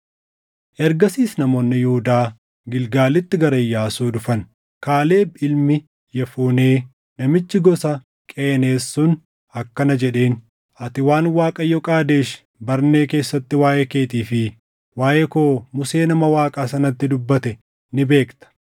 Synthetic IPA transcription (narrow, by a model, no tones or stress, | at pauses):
ʔɛɾɡɐsiːsnɐmoːnːɪjuhʊd̪aː | ɡɪlɡaːlɪt̪ːɪɡɐɾɐjːaːsuːd̪ʊfɐn | kaːle̞ːbɪlmɪ | jɐfuːneː | nɐmɪt͡ʃːɪɡɔsɐ | kʼeːne̞ːsːʊn | ɐkːɐnɐd͡ʒɛᶑe̞ːn | ʔɐt̪ɪwaːnwaːkʼɐjɔkʼaːd̪e̞ːʃ | bɐɾne̞ːke̞ːsːɐt̪ːɪwaːʔɛke̞ːt̪iːfɪ | waːjʔɛkoːmʊse̞ːnɐmɐwaːkʼaːsɐnɐt̪ːɪd̪ʊbːɐt̪ɛ | nɪbe̞ːkt̪ɐ̥